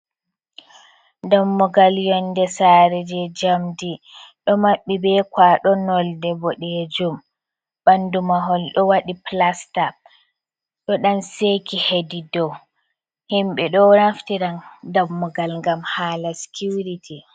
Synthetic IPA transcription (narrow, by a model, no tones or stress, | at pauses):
damːɔɡaljɔndɛsaɾɛd͡ʒɛd͡ʒamdi | ɗɔmaɓːibɛkwaɗɔnɔldɛbɔɗɛd͡ʒum | bandumaɦɔlɗɔwaɗiplasta | ɗɔɗanseːkihedidɔw | himɓɛɗɔnaftiɾandamːɔɡalŋɡamhaːlasi̥kʰuɾitʰi